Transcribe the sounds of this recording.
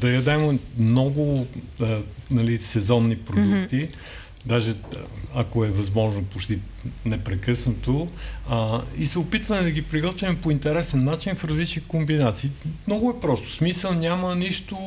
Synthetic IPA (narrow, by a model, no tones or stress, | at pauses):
d̪ɐjɐd̪ɛmomnɔɡʊ | nɐlisɛzɔnːipɾod̪ukt̪i | d̪aʒɛɐkoɛvɐzmɔʒnopot͡ʃt̪i | nɛpɾɛkɤsnot̪o | isɛʊpit̪vɐmɛd̪ɐɡipɾiɡɔt̪vʲimɛpoint̪ɛɾɛsɛnːat͡ʃinfɾɐzlit͡ʃnikombinat̪siːmnɔɡʊɛpɾɔst̪ʊ̥smisəlˠnʲaməniʃt̪ʊ